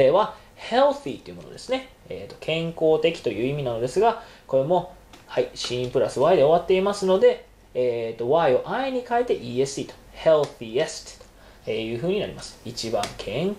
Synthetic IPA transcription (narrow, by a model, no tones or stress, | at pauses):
eβa | he̞lθit̪oiɯ̟mo̞nod̪e̞sɨne̞ | ḛːt̪ːo̞kʰẽ̞ŋko̞ːt̪e̞kʲi̥t̪o̞jɯ̟ːimʲinano̞d̪e̞sɨɡako̞ɾe̞mo̞ | haiɕĩmpɯ̟ɾasɨβaid̪e̞o̞βat̪ːe̞imasɨno̞d̪e̞ | eːt̪ːo̞βaio̞ʔaiɲ̟ikaet̪e̞ʔiːesɨ̥it̪o̥he̞lθiest̪t̪ | eːjɯ̟ːɦɯ̟ːɲ̟ina̰ɾḭmasɨ̥it͡ɕibã̰ŋkʰẽ̞ŋ